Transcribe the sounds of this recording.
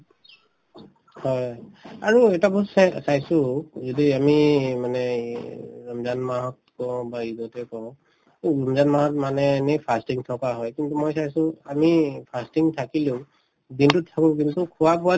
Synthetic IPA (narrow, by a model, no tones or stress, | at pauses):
hɔjaɹuɛtabɔssajsʊzɔdiamimanɛ | ɹɔmzanmaɦɔt̚kɔbaiɡɔtɛkɔw̃ | ɹɔmzanmaɦɔtmanɛːnepʰastiŋtʰɔkaɦɔjkintumojsajsʊ̃amipʰastiŋtʰakilu | dintʊtʰːakʊ̃k̬intukʰuwapɔa